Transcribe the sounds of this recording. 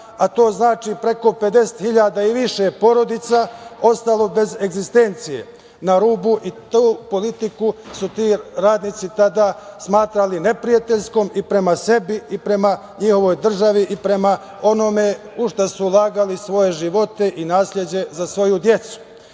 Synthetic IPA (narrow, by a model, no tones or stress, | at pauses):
at̪o̞ːznaːt͡ʃiːpɾe̞ko̞pe̞d̪e̞se̥t̪hiʎad̪aiʋiʃepo̞ɾo̞d̪it̪sao̞st̪alo̞be̞ze̞ɡzist̪e̞nt̪sije̞̰ | naɾuːbuʔit̪uːpo̞lit̪ikusut̪iːɾaːd̪nit̪sit̪ad̪aːsmaːt̪ɾaline̞pɾijat̪eʎsko̞mipɾe̞mase̞biipɾe̞ma | ɲiho̞ʋo̞jd̪r̩ʒaʋiʔipɾe̞ma | o̞no̞me̞ | uʃt̪asuːlˠaːɡalisʋo̞je̞ʒiʋo̞t̪e̞ʔinaːsʎʲe̞d͡ʑe̞zasʋo̞jud̪je̞t̪su̥